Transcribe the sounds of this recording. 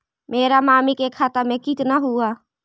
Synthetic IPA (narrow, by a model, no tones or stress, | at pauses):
meːɾamaːmikekʰat̪əmɛ̃kɪt̪naɦua